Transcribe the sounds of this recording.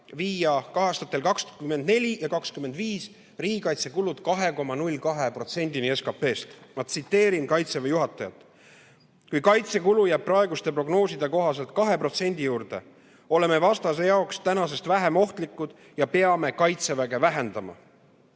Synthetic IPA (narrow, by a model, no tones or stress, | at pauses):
viːjɑkɑɦest̪ɑt̪ːˑe̞lkɑkskymːend̪ne̞lʲijɑkɑkskymːe̞nd̪viːs | riːɡikɑjt̪se̞kulud̪̥kɑɦe̞ko̞mɑnulʲkɑɦe̞pro̞t̪se̞nʲd̪̥inie̞skɑpːe̞ːst̪mɑd̪̥̚sit̪ːe̞ːɾinkɑjt̪sevejuɦɑt̪ːˑɑjɑt̪ːˑ | kujkɑjt̪se̞kulujæb̥̚pːrɑeɡust̪e̞pro̞ɡno̞ːsid̪eko̞ɦɑse̞lt̪̚kɑɦe̞pro̞t̪se̞nʲd̪̥ijuːɾd̪e̞̰ | o̞le̞me̞vɑst̪ɑse̞jɑokst̪ænɑse̞st̪væɦe̞mo̞ht̪likˑːud̪̥ | jɑpe̞ɑme̞kɑjt̪se̞væɡ̥e̞væɦe̞nd̪̥ɑmɑ̰